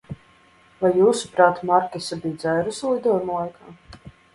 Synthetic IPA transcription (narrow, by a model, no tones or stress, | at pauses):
vajːuːsu̥pɾaːt̪maɾkʲisabiːd̪zɛjɾuslˠid̪ɔɔjmlˠajkʰaː